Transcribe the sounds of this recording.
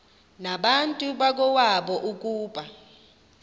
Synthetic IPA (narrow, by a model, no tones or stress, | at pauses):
naɓantʼuɓak̬ɔwaɓɔʔuk̬ʼuːɓa